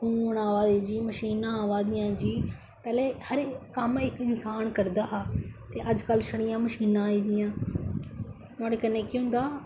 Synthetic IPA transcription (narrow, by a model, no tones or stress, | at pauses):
ũːɽãːʋaːd̪id͡ʒiːməʃiːnãːʋaːd̪ɪjãːd͡ʒiː | pɛːleːhəɾkəmɪkɪnsaːnkəɾd̪aːɦt̪eːʔəd͡ʒkəlʃəɽ̃ɪjãːməʃiːnãːiːd̪ɪjãː | ʊãːɽeːkəneːkiɦʊ̃nd̪aː